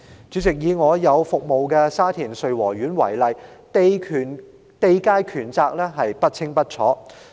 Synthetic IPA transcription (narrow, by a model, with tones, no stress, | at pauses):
t͡sy˨˥t͡sɪ˨k̚jiː˨˧ŋɔː˨˧jɐ˨˧wfʊ˨k̚mo˨wkɛ˧saː˥t̪ʰiː˨˩nsɵ˨ɥwɔː˨˩ɥyː˨˥nwɐ̰˨˩jlɐ˨jt̪kʰːn | t̪e˧jkaː˥jkʰyː˨˩nt͡saː˧k̚lɛː˥ɦɐ˨jpɐ˥t̚t͡sʰɪ˥ŋpɐ˥t̚t͡ʃʰɔː˨˥